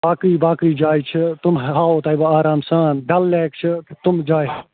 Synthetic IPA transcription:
baːkɾiːbaːkɾiːd͡ʒaːit͡ʃʰit̪ʊmɦaːoːt̪ɐːibaaːɾaːmsaːnɖɐlːeːkt͡ʃʰɨkt̪ʊmd͡ʒaːi

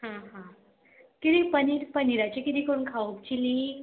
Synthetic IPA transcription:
hãɦã | kiɽipəniɾpəniɾat͡ɕikid̪ikəɾunkʰaupt͡ɕili

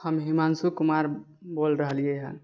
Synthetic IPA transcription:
həmɦimansukumaɾbolɾəɦəlijeɦə̰n

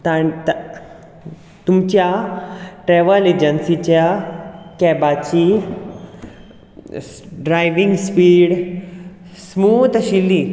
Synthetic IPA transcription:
t̪at̪ | t̪umt͡ɕja | ʈɾɛʋəled͡ʑənsit͡ɕjakɛbat͡ɕi | ɖɾajʋiŋɡspiːɽ | smut̪əɕilːi

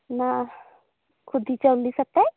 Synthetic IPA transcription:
na | kʰʊd̪ʱit͡ʃəlisɐk̚t̪aɛ

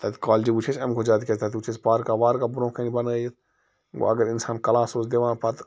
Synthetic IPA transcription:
t̪ɐt̪kaːld͡ʒibut͡ʃʰesɛmkʰod͡ʒaːt̪ket̪at̪ut͡ʃʰespaːɾkaːʋaːɾkaːbɾõːkʰenibɐnajet̪ | o̰ɐ̰ɡəɾɪnsaːnkɐlãːsoːt͡ʃd̪eːʋãːpɐt̪

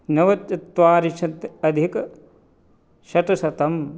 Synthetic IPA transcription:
nɐʋɐt̪ːɐt̪ʋaːɾiʃʰɐt̪ɐd̪ʱik | ʃɐʈɐsɐt̪ɐm

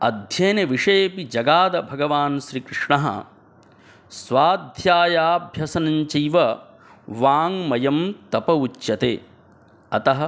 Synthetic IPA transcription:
ɐ̰d̪ʱjeːnɐʋiʂeːpid͡ʒɐɡaːd̪ɐbʱɐɡɐʋaːnʃɾiːkɾɪʂɳɐɦɐ̰ | sʋaːd̪ʱjaːjaːbʱjɐsɐnɐɲt͡ʃɐjʋɐ | ʋaːŋmɐjɐmt̪ɐpɐut͡ʃːjɐt̪ḛː | ɐt̪ɐɦɐ

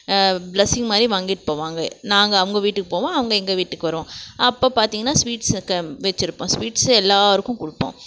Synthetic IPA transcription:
blɛsɪŋɡmaːd̪ɾiʋaːŋɡɪʈːɯ̥poːʋaːŋɡɐnaːŋɡɐːʋɐŋɡɐʋiːʈːɯkːɯpoːʋõːɐʋɐŋɡɐɛŋɡɐʋiːʈːɯkːɯʋɐɾɯʋõːɐpːoːpaːɾt̪iːŋɡɐnːaːsʋiːʈskːɐʋɛt͡ʃːɪɾɯpːõːsʋiːʈsɛlːaːʋɐɾɯkːʊ̃kʊɽɯpːõ̰ː

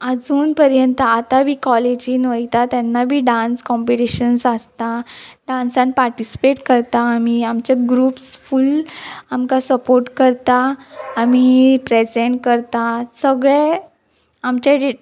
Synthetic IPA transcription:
əd͡zuːnpəɾjənt̪əat̪abʱiːkɔled͡ʑinʋəjt̪at̪janːabʱiːɖãnskɔmpiʈiɕənsəst̪aɖãnsanpaɾʈisi̥peʈkəɾt̪aːmiamt͡ɕaɡɾuːpsfulamkasəpoɾʈkəɾt̪aːmipɾed͡zẽɳʈ̚kəɾt̪asəɡɭe | amt͡ɕe

